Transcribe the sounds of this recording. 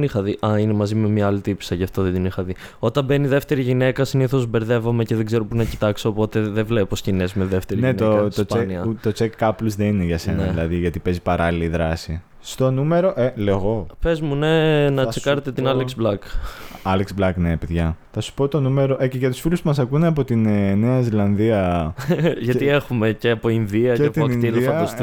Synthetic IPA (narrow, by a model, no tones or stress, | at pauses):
nixɐðiʔɐine̞mɐzime̞miɐɐlit̪ipsɐʝɐft̪oðed̪inixɐði | o̞t̪ɐmbe̞niðe̞ft̪e̞ɾiʝine̞kɐsiniθo̞zbe̞ɾðe̞vɐme̞ceðeɡze̞ɾo̞punɐci̥t̪ɐkseopo̞t̪e̞ðevleposcinezmeðe̞ft̪eɾineinoeɐiseniɐt̪o̞t͡sekːɐpluzðenineʝɐseneilɐðiʝɐt̪ipe̞zipɐɾɐliliðɾɐsi | st̪o̞nume̞ɾo̞ʔeleɣo̞pe̞zmune̞nɐekɐɾet̪et̪inɐleksblɐkɐleksblɐknepeðʝɐθɐsu̥po̞t̪o̞nume̞ɾo̞ʔeceʝɐt̪u̥sfiluspumɐsɐkuneɐp̬o̞t̪inne̞ɐzilɐnðiɐ | ʝɐie̞xume̞ce̞ɐpo̞inðiɐceɐt̪ioɐnilifɐɐst̪